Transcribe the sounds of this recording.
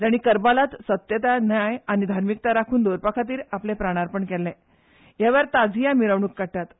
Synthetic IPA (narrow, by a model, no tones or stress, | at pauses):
d͡ʑ̪aɽ̃ikəɾbalat̪sət̪jət̪anjajaɽ̃id̪ʱaɾmik̚t̪aɾakʰuːnd̪oɾpakʰat̪̬iːɾaplepɾaɽ̃aɾpəɳkɛlːɛ̃ | jaʋəɾt̪ad͡zʱijamiɾəʋɳ̃uːkːaʈːat̪